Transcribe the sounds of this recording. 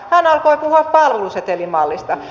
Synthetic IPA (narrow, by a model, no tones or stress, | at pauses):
hænɑlkoipuhuɑppɑlluset̪elimɑlːist̪ɑ